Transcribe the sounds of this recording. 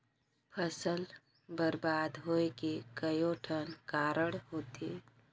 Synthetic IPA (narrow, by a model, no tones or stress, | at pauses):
pʰəsəl | bəɾbaːd̪ɦoekekəjoʈʰənkaːɾəɽɦoːt̪ɦɛ